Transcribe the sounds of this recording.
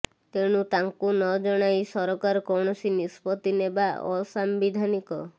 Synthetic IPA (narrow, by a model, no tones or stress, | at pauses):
t̪eɽ̃ut̪aŋkunɔd͡ʒɔɽ̃ajsɔɾɔkaɾɔkɔɽ̃ɔsinispɔt̪inebaɔsambid̪ʱanikɔ